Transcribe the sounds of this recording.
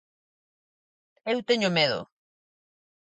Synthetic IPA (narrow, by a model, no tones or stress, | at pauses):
ewt̪eɲomeðo̰